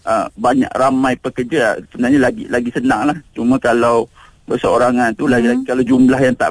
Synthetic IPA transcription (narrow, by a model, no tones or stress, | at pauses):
əbaɲa̰kramãjpəkərd͡ʒa̰səbənaɲalaɡḭlaɡisənaŋlaht͡ʃumãkalaw | bəsəo̰ɾaŋant̪ulaɡilaikalawd͡ʒumblaɦjaŋt̪a̰